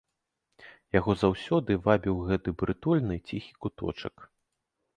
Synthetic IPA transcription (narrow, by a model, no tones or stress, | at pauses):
jaɣɔzawsʲɔd̪ɨvabʲiwɣɛt̪ɨbɾɨt̪ɔlʲnɨt͡sʲixʲi̥kut̪ɔ̰t͡ʂɐ̰k